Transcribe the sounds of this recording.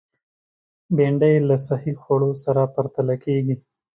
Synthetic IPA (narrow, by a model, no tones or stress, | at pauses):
beɳɖəjlasahixoɽosaɾapɐɾt̪alakeɡi